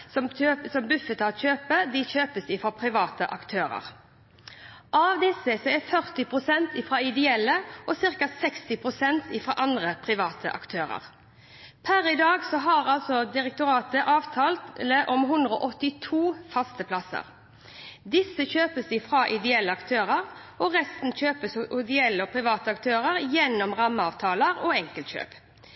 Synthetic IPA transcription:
sɔmøːəsɔmbʉfət̪ɑt̪ɕøːpəd̪ɪçøːpəsd̪ɪfɾɑːpʰʁɪʋɑːt̪əʔɑkt̪ʰøːɾə̰ʁ | ʔɑʋd̪ɪsəsɔɛfœʁt̪ɪpʰʁʊsɛnt̪iːfɾɑːɪd̪ɛɛlːəʔɔsɪʁkɑsɛkst̪ɪpʰʁʊsɛnt̪ʰiːfʁɑ̰ːʔɑnd̪ʁəpʰɾɪʋɑːt̪ʰə̰ʔɑ̰kt̪ʰøːɾə̰ʁ | pʰæɾɪd̪ɑːɡsɔɦɑʁɑlsɔd̪ɪʁɛk̚t̪ʊɾɑːt̪əʔɑːʋt̪ʰɑːlt̪ləʔɔmɦʉnd̪ʁəɔ̰ːʔɔt̪ːɪt̪ʰuːfɑst̪əpʰlɑsə̰ʁ | d̪ɪsəçøːpəsd̪ɪfɾɑːʔɪd̪ɛɛlːəɑkt̪ʰøːʁəʁ | ʔɔʁɛst̪n̩çøːpəsʔɪd̪ɪɛlːəɔpʰʁɪʋɑːt̪əɑkt̪ʰøːʁəɾjɛnːɔmʁɑmːəɑːʋt̪ʰɑːləʁɔɛŋkəlt̪ɕø̰ːp

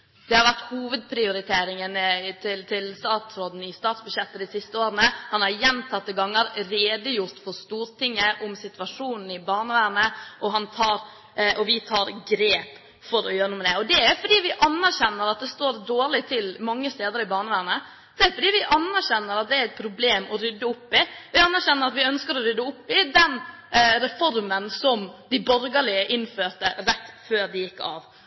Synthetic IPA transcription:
d̪̥ɛhɑɾʋæɾt̪huːʋəd̪̚pʰɾɪʊɾɪt̪ʰeːɾɪŋənt̪ʰɪlt̪ʰɪlst̪ɑːt̪sɾoːd̪n̩ɪst̪ɑːt̪sbʉʂjɛt̪ːəd̪ɪsɪst̪əoːɾənəhɑnhɑɾjɛnt̪ʰɑt̪ːəɡɑŋːəɾɾeːd̪əjʊɾt̪fɔɾst̪uːɾt̪ɪŋːəʔʊmsɪt̪ʉʋɑʂuːnn̩ɪbɑːɳəʋæːɾnəʔɔɦɑnt̪ʰɑːɾ | ʔɔʋɪt̪ʰɑːɾɡɾeːp | fɔɾɔjøːɾənuːmɛd̪ɛɔd̪ɛæɾfɔɖiːʋɪʔɑnːæɾɕɛnːəɾɑt̪̚d̪ɛst̪oːɾd̪oːɭɪt̪ʰɪlmɑŋːəst̪eːd̪əɾɪbɑːɳəʋæːɾɳə | d̪̥ɛæɾfɔɖiːʋɪʔɑnːæɾɕɛnːəɾɑt̪̚d̪ɛæɾɛt̪̚pʰɾʊbleːmɔɾʏd̪ːəʊpːɪʋɪɑnːæɾɕɛnːəɾɑt̪ʋɪœnskəɾɔɾʏd̪ːəʊpːɪd̪ɛn | ɾɛfɔɾmənsɔmd̪ɪbɔɾɡəlɪəʔɪnføːɾʈ̪əɾɛt̪ːføːɾd̪ɪjɪkːɑ̰ʋ

